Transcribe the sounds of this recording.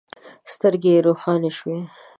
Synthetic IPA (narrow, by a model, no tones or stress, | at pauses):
st̪əɾɡeɾoxɑneʃwe